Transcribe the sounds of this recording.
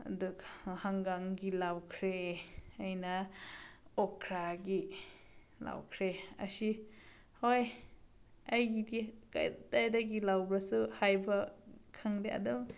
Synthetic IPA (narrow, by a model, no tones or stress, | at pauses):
a̰dukhaŋɡaŋɡilawkʰɾeajna | ɔkʰɾaɡi | la̰wkʰɾeɐ̰si | hoj | ajɡidika̰tajdaɡilawbɾasuhajbɐkʰaŋdeʔɐ̰dum